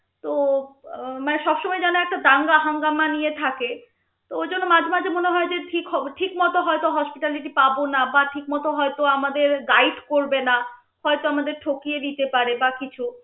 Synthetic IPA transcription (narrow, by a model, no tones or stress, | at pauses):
t̪o | maneʃɔbʃɔmɔed͡ʑanoɛk̚ʈad̪aŋɡaɦaŋɡamanijet̪ʰake | t̪ood͡ʑonːomad͡ʑʱmad͡ʑʱemoneɦɔed͡ʑeʈʰikɦɔʈʰikmɔt̪oɦɔet̪oɦɔspiʈaliʈipabonabaʈʰik̚mɔt̪oɦɔet̪oamad̪eɾɡajɖkoɾbena | hɔet̪oamad̪eɾʈʰokied̪it̪epaɾebakit͡ɕʰu